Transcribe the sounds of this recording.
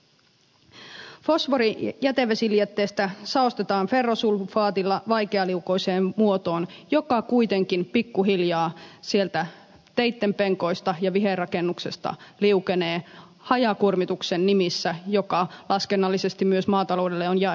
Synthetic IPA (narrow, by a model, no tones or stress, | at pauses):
fo̞sʋoɾijæt̪eʋesiliet̪ːeːst̪æsɑost̪et̪ɑːnfe̞rːosulfɑːt̪ilːɑʋɑjkeɑliuko̞jseːmmuot̪o̞ːnjo̞kɑkujt̪eŋkinpikːuɦiljɑːsielt̪æ | t̪ejt̪ːempeŋko̞jst̪ɑjɑʋiɦerɑkenːukse̞st̪ɑ̰liukeneː | hɑjɑkurmit̪uksenːimisːæjo̞kɑlɑskenːɑlːisest̪immyøsmɑːt̪ɑlo̞ːde̞lːeonjæ